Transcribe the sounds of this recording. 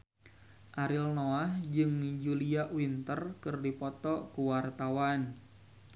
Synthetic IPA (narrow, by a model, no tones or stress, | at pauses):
ʔaɾilnoahd͡ʒɨŋmid͡ʒuliaʔwint̪ərkɨrdipɔt̪ɔkuwart̪awan